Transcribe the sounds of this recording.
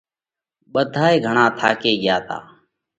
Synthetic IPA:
ɓəd̪ʱaːeːɡʱəɳãːt̪ʰa̰ːkeːɠjaːt̪a̰ː

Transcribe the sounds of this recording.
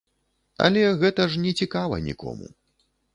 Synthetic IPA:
ɐ̰lʲɛɣɛt̪ɐʐnʲɛt͡sʲikavɐ̰nʲḭkʰɔ̰mṵ

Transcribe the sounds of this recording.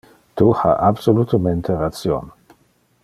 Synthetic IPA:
t̪uha̰ʔabsolut̪əment̪ʰeɾat͡sjo̰n

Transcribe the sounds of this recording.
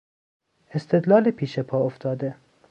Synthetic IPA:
est̪ʰed̪lɒːlepʰiːʃepʰɒːoft̪ʰɒːd̪e

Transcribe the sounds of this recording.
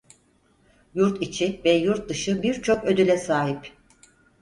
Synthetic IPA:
juɾt̪ʰit͡ʃʰivɛjuɾt̪̚d̪ɯʃɯbiɾt͡ʃʰo̞kø̞d̪ylʲɛsaːɦip

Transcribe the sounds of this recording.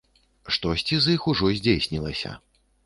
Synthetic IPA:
ʂt̪ɔsʲt͡sʲizixuʐɔzʲd͡zʲejsʲnʲilˠɐsʲɐ̰

